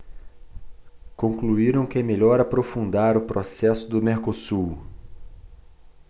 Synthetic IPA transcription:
kõkluiɾɐ̃w̃kɪɛmeʎɔɾapɾofũnd̪aɾʊpɾʔosɛsʊd̪ʊmeɾkosu

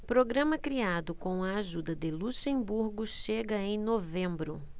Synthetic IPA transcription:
pɾoɡɾɐ̃mɐkɾiad̪ʊkõw̃ɐaʒud̪ɐd̪ɪluʃẽbuɾɡʊʃeɡɐẽj̃novẽmbɾʊ

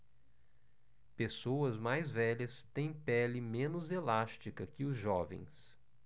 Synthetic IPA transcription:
pesowɐzmajzvɛʎɐst̪ẽj̃pɛlɪmẽnʊzelast͡ʃikɐkɪʊzʒɔvḛ̃j̃s

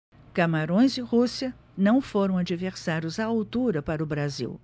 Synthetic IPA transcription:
kamaɾõj̃zɪhusiɐ | nɐ̃w̃foɾɐ̃w̃ad͡ʒiveɾsaɾjʊzaawt̪uɾɐpaɾɐʊbɾazḭw

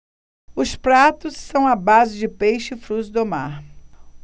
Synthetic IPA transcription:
ʊspɾat̪ʊsːɐ̃w̃abazɪd͡ʒɪpejʃɪɪfɾusd̪oma̰ɾ

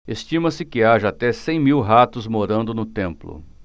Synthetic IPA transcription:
est͡ʃĩmɐsɪkɪaʒɐːt̪ɛsẽj̃miwɦat̪ʊzmoɾɐ̃nd̪ʊnʊt̪ẽmplʊ̰

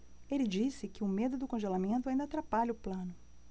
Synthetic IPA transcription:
elɪd͡ʒisɪkɪʊmed̪ʊd̪ʊkõʒelamẽnt̪ʊaĩnd̪at̪ɾapaʎɐʊplɐ̃nʊ

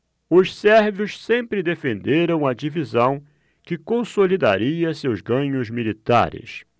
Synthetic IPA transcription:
ʊʃsɛɾvʊʃsẽmpɾɪd̪efẽnd̪eɾɐ̃w̃ɐd͡ʒivizɐ̃w̃ | kɪkõsolid̪a̰ɾiɐsewzɡɐ̃ɲʊzmilit̪a̰ɾɪ̰s

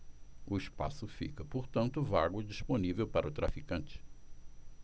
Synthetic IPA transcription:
ʊispa̰sʊfḭkɐpoɾt̪ɐ̃nt̪ʊvaɡwʊd͡ʒisponivewpaɾʔɐʊt̪ɾa̰fikɐ̃nt͡ʃɪ̥

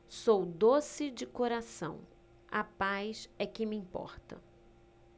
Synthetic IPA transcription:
sowd̪osɪd͡ʒɪkoɾasɐ̃w̃ | ɐ̰pajsɛkɪmɪĩpɔ̰ɾt̪ɐ̰

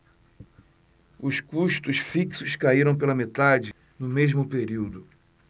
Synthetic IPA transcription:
ʊskuʃt̪ʊʃfiksʊskaiɾɐ̃w̃p̬elɐmet̪ad͡ʒɪ | nʊmeʒmʊpeɾiwd̪ʊ

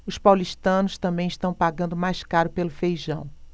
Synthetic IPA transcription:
ʊspawliʃt̪ɐ̃nʊst̪ɐ̃mbẽj̃iʃt̪ɐ̃w̃paɡɐ̃nd̪ʊmajskaɾʊpelʊfejʒɐ̃w̃

